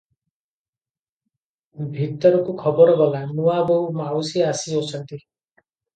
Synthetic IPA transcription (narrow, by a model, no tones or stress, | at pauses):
bʱit̪ɔɾɔkukʰɔbɔɾɔɡɔlanuabɔumawsiasiot͡ʃʰɔnt̪i